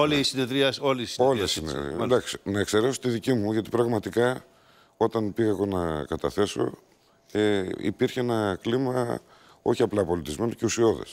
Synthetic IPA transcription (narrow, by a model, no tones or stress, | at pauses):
olisineðɾiɐsoliso̞lisinḛd̪ɐksi̥nɐekse̞ɾeso̥t̪iðicimuʝɐt̪i̥pɾɐɣmɐt̪ikɐ | o̞t̪ɐnpiɣɐeɣo̞nɐkɐt̪ɐθe̞so̞̰ | eḭpiɾçeenɐklimɐ | o̞çiɐplɐpo̞lit̪izme̞no̞̥ce̞usio̞ðḛs